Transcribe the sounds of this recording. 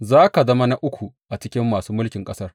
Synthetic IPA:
zaː˦ka˨zɐ˦ma˦na˦ʔʊ˦kʷu˨ʔa˨t͡ʃɪ˦kʲɪ˦mːaː˨suː˦mʊ˦lkʲɪ˨ŋkʼɐ˦sɐ˦r

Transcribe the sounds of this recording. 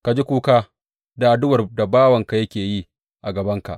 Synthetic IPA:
ka˨d͡ʒi˦kʷuː˦kaː˦ | da˨ʔa˨dʊ˦wɐ˨rda˨baː˦wɐ˨ŋka˨jɐ˦kʲeː˨jiː˦ | ʔa˨ɡɐ˨bɐ˦ŋka̰˨ʔ

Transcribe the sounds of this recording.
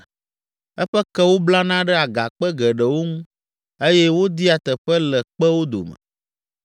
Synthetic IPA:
ɛ˦ɸɛ˦kɛ˦wo˦bla˦nã˦ɖɛ˦a˨ɡa˨k͡pɛ˦ɡɛ˨ɖɛ˨wo˦ŋũ˦ | e˦jɛ˦wo˦d̪i˦a˨t̪ɛ˨ɸɛ˦lɛ˨k͡pɛ˦wo˦d̪o̰˨mɛ̰̃˨

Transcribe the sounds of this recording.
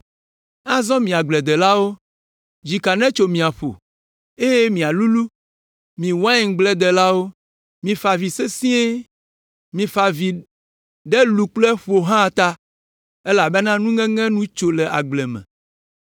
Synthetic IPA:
a˦zɔ̃˦mĩ˨a˨ɡ͡blɛ˨d̪ɛ˨la˦wo˦ | d͡ʑi˨ka˨nɛ̃˦t͡ʃo˨mĩ˨a˨ɸo̰˨ | e˦je˦mĩ˨a˨lu˦lu˦ | mĩ˨wã˦ĩ˨ŋ˦ɡ͡blɛ˦d̪ɛ˨la˦wo˦ | mĩ˨fa˨vi˨se˦sĩ˦e˦ | mĩ˨fa˨vi˨ | ɖɛ˦lu˨k͡plɛ˦ɸo˨ɦã˦˨t̪a˦ | e˦la˨bɛ˦nã˦nũ˦ŋɛ̃˦ŋɛ̃˦nũ˦t͡ʃo˦lɛ˨ʔa̰˨ɡ͡blɛ˨mɛ̰̃˨

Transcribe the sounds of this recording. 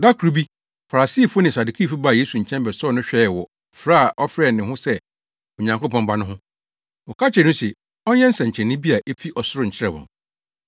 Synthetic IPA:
da˦kʰɾu˨˦bi˦ | fa˨ɾa˨si˦˨fʊ˦nɪ̃˨sa˨du˨kʰi˦˨fu˦ba˦˨je˦su˨ɲ̩˨t͡ɕʰɛ̃˦mbɛ˨sɔː˦˨nʊ̃˦ɕᶣɛ˦˨wɔ˨ | fɾa˦a˨ʔɔ˦fɾɛ˦˨nɪ̃˨hʊ̃˦sɛ˦ | ɔ˨ɲã˨ŋko˦pʰɔ̃˦mba˦nʊ̃˦ɦʊ̃˦ | wɔ˨kʰa˦t͡ɕʰɛ˨nʊ̃˦sɛ˨ | ɔ˦ɲɛ̃˦n̩˦sɛ̃˨ɲ̩˨t͡ɕʰɛ̃˨nːɪ̃˦bi˦a˨ʔe˦fʰi˦ʔɔ˨sʊ˦ɾʊ˦˨ɲ̩˨t͡ɕʰɪ˦ɾɛ˦˨bɔ̰̃˨

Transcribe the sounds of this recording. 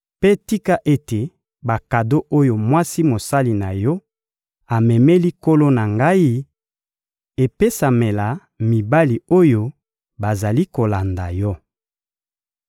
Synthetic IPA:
pe˦ti˦ka˦ʔe˦te˨ | ba˨ka˨do˦ʔo˦jo˨mwa˦si˦mo˨sa˦li˨na˨jɔ˦ | a˨mɛ˨mɛ˦li˦ko˦lo˦na˨ŋɡa˦i˦ | e˨pe˦sa˨me˨la˨ | mi˨ba˦li˨o˦jo˦ | ba˨za˨li˦ko˨la˨nda˨jɔ˦

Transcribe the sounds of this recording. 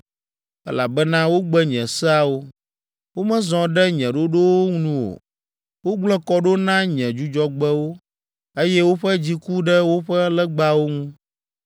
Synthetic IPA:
ɛ̰˦la˨bɛ˦nã˦wo˦ɡ͡bɛ˦ɲɛ̃˨sɛ˦a˨wo˦ | wo˦mɛ̃˦zɔ̃˨ɖɛ˦ɲɛ̃˨ɖo˦ɖo˦wo˦ŋu˦nũ˦wo̰˨ | wo˦ɡ͡blɔ˦kɔ˦ɖo˦nã˦ɲɛ̃˨d͡ʒu˦d͡ʒɔ˦ɡ͡bɛ˦wo˦ | e˦jɛ˦wo˦ɸɛ˦d͡ʑi˦ku˦ɖɛ˦wo˦ɸɛ˦lɛ˦ɡ͡ba˦wo˦ŋũ˦

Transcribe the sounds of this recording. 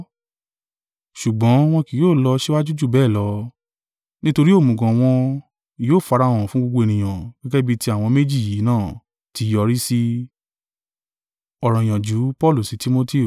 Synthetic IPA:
ʃu˨ɡ͡bɔ̃˨˦w̃ɔ̃˧ki˨joː˦˨lɔ˧ʃe˦wa˦d͡ʒu˦d͡ʒu˦˨bɛː˦˨lɔ˨˧˦ | nĩ˦to˧ɾi˦o˦˨mũ˨ɡɔ̃˨w̃ɔ̃˧˨ | joː˦˨fa˨˧ɾa˧˨w̃ɔ̃˨fũ˨˦ɡ͡bo˧ɡ͡bo˧e˨nĩ˨j̃ã˨ɡ̥ɛ˦ɡɛ˦bi˦˧ti˧a˨w̃ɔ̃˧me˦d͡ʒi˦˨ji˨˦nãː˦˨ | ti˧˦jɔ˧ɾi˦si˦ | ɔ˨ɾɔ̃˨j̃ã˨d͡ʒu˨˦pɔ˦˨lu˦˨si˨˧ti˦mo˦ti˦˨

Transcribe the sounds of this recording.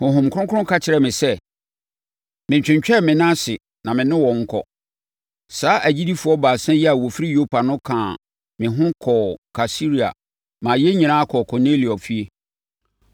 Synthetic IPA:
hʊ̃˨ɦʊ̃˨mkʰʊ̃˦kʰʊ˦ʊ̃˦kʰa˦t͡ɕʰɪ˨ɾɛ˨mɪ̃˨sɛ˦ | mɪ̃˨ɲ˨t͡ɕᶣɪ̃˨ɲt͡ɕᶣɛ˦˨mɪ̃˨nã˦sɪ˨ | nã˨mɪ̃˨nɪ̃˦wɔ̃˨ŋ̩˦kʰɔ̰˨ | saː˦ʔæ˨d͡ʑi˦di˦fʊ˨ɔ˦baː˨sɛ̃˦jɛ˦a˨wɔ˨fi˦ɾi˦jo˦pʰa˨nʊ̃˦kʰãː˨ | mɪ̃˨ɦʊ̃˦kʰɔ˨kʰa˨si˦ɾi˨a̰˨ | mã˨jɛ˦ɲĩ˨ãː˦a˦kʰɔ˨kʰɔ˨ne˦li˨ɔ˨fi˦e˦

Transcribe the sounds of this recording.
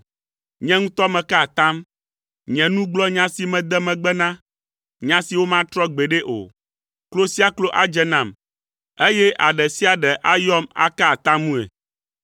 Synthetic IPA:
ɲɛ̃˦ŋũ˦t̪ɔ˦mɛ̃˨ka˦˨t̪ã˦m | ɲɛ̃˨nũ˦ɡ͡blɔ˦ɲã˦si˨mɛ̃˨d̪ɛ˦mɛ̃˨ɡ͡bɛ˦nã˦ | ɲã˦si˨wo˦mã˦t̪ɾɔ˦ɡ͡be˨ɖɛ˦ʔo̰˨ | klo˦si˦a˦klo˦ʔa˦d͡ʒɛ˦nã˨m | e˦jɛ˦ʔa˨ɖɛ˨si˦a˨ɖɛ˨ʔa˦jɔ˦ma̰˦ka˦˨t̪ã˦mũ˦ɛ̰˨

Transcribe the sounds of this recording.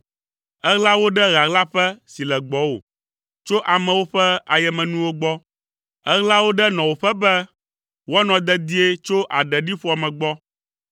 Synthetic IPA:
ɛ˦ɣla˦wo˦ɖɛ˦ɣa˨ɣla˦ɸɛ˦si˨lɛ˨ɡ͡bɔ˨˦wo̰˨ | t͡ʃo˦ʔa˨mɛ̃˨wo˦ɸɛ˦a˨jɛ˨mɛ̃˨nũ˦wo˦ɡ͡bɔ˦ | ɛ˦ɣla˦wo˦ɖɛ˦nɔ̃˨wo˨ɸɛ˦bɛ˦ | wo˦a˦nɔ̃˨d̪ɛ˦d̪i˦e˦t͡ʃo˦ʔa˨ɖɛ˨ɖi˦ɸu˦a˨mɛ̃˨ɡ͡bɔ˦

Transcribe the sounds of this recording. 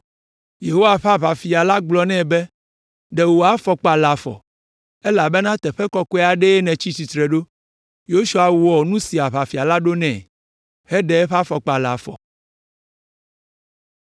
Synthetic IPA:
je˨ɦo˦wa˨ɸa˦βa˨fi˨a˨la˦ɡ͡blɔ˨nɛ̃˦bɛ˦ | ɖɛ˨wo˨a˦fɔ˨k͡pa˨la˨fɔ̰˨ | e˦la˨bɛ˦nã˦t̪ɛ˨ɸɛ˦kɔ˦kɔ˦e˦a˨ɖɛ˦ɛ˦nɛ̃˨t͡ɕi˦t͡ɕi˨t̪ɾɛ˨ɖo˦ | jo˦ʃu˦a˨wɔ˨nũ˦si˨a˨βa˨fi˨a˨la˦ɖo˦nɛ̰̃˨ | hɛ˦ɖɛ˨ɛ˦ɸa˦fɔ˨k͡pa˨la̰˨fɔ̰˨

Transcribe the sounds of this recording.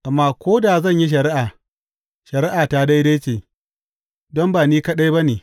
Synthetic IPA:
ʔa˨mːaː˦kʷoː˦daː˨zɐ˦˨ɲji˦ʃ̬ɐ˨ɾɪ˦ʔaː˨ | ʃɐ˨ɾɪ˦ʔaː˨ta˦da˦jda˦jt͡ʃeː˨ | dɔ˦mbaː˨niː˦kɐ˦ɗa˦jbɐ˦neː˨

